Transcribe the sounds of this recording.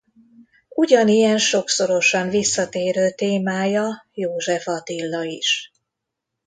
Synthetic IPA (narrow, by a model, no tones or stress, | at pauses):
uɟɒnijɛnʃo̞kso̞ɾo̞ʃɒɱnvisːɒt̪eːɾøːt̪eːmaːjɒjoːʒɛfɒt̪ilːɒiʃ